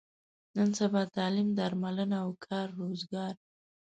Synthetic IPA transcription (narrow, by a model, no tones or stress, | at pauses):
nənsabɑt̪ɑlimd̪aɾmalənaawkʰɑɾːozɡɑɾ